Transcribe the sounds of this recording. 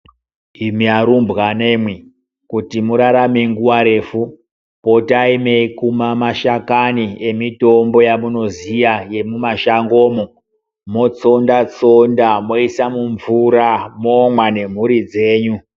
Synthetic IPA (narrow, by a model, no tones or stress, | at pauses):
imiaɾumbɣane̞mwi | kutimuɾaɾameŋɡuwaɾe̞fu | po̞taimeikumamaʃakanie̞mito̞mbo̞jamuno̞zijaje̞mumaʃaŋɡo̞ːmo | mo̞t͡so̞ndat͡sondamo̞isamuɱvuɾamomwane̞m̤uɾid͡ze̞ːɲu